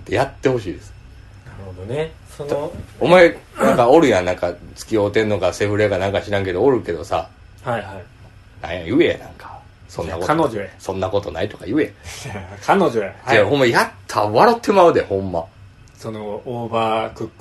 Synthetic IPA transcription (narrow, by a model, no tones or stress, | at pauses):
t̪e̞jat̪ːe̞ho̞ɕiːd̪e̞sɨ̥ | naɾɯhod̪one | sonomaenãŋkaoɾɯ̟jãnnãŋkat͡sɨ̥kʲio̞ːt̪ẽ̞nːo̞ɡase̞ɸɯ̟ɾeɡanãŋkaɕiɾãŋke̞d̪ooɾɯ̟ke̞d̪o̞sa̰ | haa | nã̰ɰ̃jãjɯ̟enãŋkʰḁ | sõnːakonod͡ʑoasõ̞nːako̞t̪o̞nait̪o̞̥kajɯ̟e | kʰanod͡ʑoaehɦõ̞mːajat̪ʰːaβaɾot̪ʰːe̞maɯ̟d̪ehõ̞mːa | sonooːbakɯkː